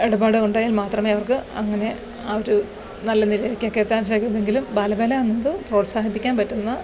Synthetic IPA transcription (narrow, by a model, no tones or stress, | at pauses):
eɽubaːɽɨuɳɖaːjaːlmaːt̪rɐmeːɐʋɐrkɨɐŋːɐne̞ | ɐːoɾu | nɐlːɐnilɐjɾikʲːɨokːeːt̪ːaːnt͡ɕejkːuneŋɡilumbɐlɐbɐlanːɐðɨpro̞ːʈsaːɦipːikʲːaːnpɐtːunːɐ